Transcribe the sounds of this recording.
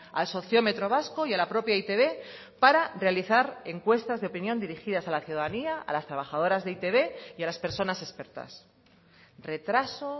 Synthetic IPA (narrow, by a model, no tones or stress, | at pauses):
also̞θjo̞me̞t̪ɾo̞β̞asko̞jalapɾo̞pjait̪e̞β̞e̞ | paɾare̞aliθaɾe̞ŋkwe̞st̪azðeopinjo̞nd̪iɾixiðasalaθjuðaðaniaa̰last̪ɾaβaxaðo̞ɾazðeit̪e̞βe̞ialaspe̞ɾso̞nase̞spe̞ɾt̪a̰s | re̞t̪ɾaso̞